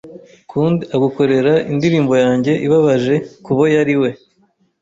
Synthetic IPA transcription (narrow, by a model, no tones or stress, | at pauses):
kʰuːndiaɡuko̞ɾe̞ɾaindiɾiːmbo̞jaːɲɟe̞ʔiβaβaʒe̞kuβojaɾiwe̞